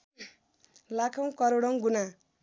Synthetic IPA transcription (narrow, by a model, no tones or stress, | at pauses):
lakʰʌ̃w̃kʌɾoɽʌŋɡuna